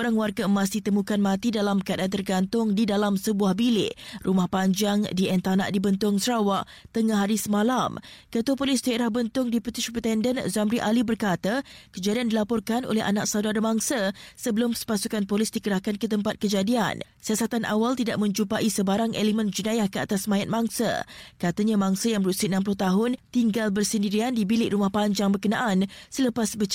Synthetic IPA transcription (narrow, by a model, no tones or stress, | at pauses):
oɾaŋwarɡamãs̬iht̪əmũkanmãt̪idalaməkadant̪ərɡant̪ʊŋdidalamsəbuahbilɪ̰ʔrumahpaɲd͡ʒaŋdiɛnt̪ana̰ʔdibənt̪ʊŋsəɾawaʔ | t̪əŋahɦaɾisəmãlamkət̪uapolɪst̪əɾahbənt̪ʊŋdiput̪ɪʃpɛt̪ɛndənzamɾiʔalibərkat̪akəd͡ʒadiandilapɔrkano̰lɛha̰naʔk̚sawdaɾəbaŋsəsəbəlʊmsə̥pasukanpolɪsdikəɾahkankət̪əmpat̪̚kəd͡ʒadia̰nsiasat̪anʔa̰walt̪idaʔ̚mə̃ɲt͡ʃupaʔisəbaɾaŋʔelemə̃nd͡ʒunajahkəa̰t̪asmãjat̪̚maŋsə̰kat̪aɲãmaŋsəjaŋbəɾusiənãmp̬ulʊht̪aɦʊnt̪iŋɡalbərsəndiɾiandibilɪʔɾumahpaɲd͡ʒaŋbərkənaʔansələpasbə